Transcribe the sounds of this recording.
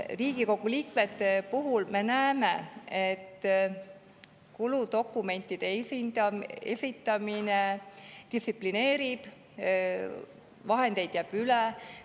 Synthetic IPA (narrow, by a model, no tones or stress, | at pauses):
riːɡiko̞ɡ̥uliːkme̞t̪ːe̞puɦulme̞næemeet̪ː | kulud̪o̞kːˑume̞nʲt̪ːˑid̪̥esind̪ɑesʲit̪ˑːɑmined̪̥isipline̞ːɾib̥ | vɑɦend̪e̞jd̪̥jæb̥yle